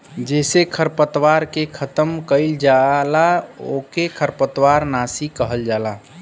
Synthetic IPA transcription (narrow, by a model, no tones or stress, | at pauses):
d͡ʒɛːsekʰəɾpət̪waɾkekʰət̪əmkəɪld͡ʒalao̰kekʰəɾpət̪waɾnasikəɦəld͡ʒaːla